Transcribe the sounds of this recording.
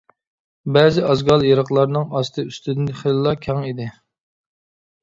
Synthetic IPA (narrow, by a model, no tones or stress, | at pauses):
bɛːzɪɑzɡɑlˠjeɾɑqlˠɑɾnɨŋɑst̪ʰɨyst̪yd̪nd̪ɨχellˠːɑkʲʰɑŋid̪ɪ